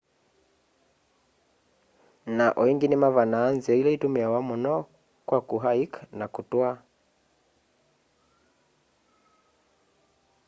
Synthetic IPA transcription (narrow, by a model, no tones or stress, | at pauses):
naʔɔiŋɡinɛmavanaːnzɛilɛitumɛawamɔnɔ | kwakuɦaikanakutwa